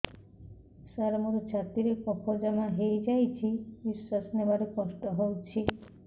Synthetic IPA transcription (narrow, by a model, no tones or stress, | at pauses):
saɾmoɾot͡ʃʰat̪iɾekɔkʰod͡ʒamaɦejd͡ʒajt͡ʃʰibisːasnebaɾekɔsʈɔɦowt͡ʃʰi